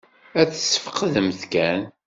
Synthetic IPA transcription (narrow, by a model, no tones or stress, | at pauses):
æt͡sːə̥sːə̥fə̥qðəmθkæn